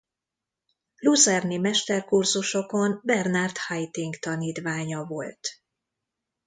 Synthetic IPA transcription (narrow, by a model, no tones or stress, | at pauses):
luzɛrnimɛʃt̪ɛrkurzuʃo̞ko̞nbɛrnart̪hajt̪iŋɡkt̪ɒniːt̪ʋaːɲɒvo̞lt̪